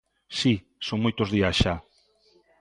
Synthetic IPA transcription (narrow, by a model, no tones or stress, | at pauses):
si | sõŋmojt̪ozðiasʃa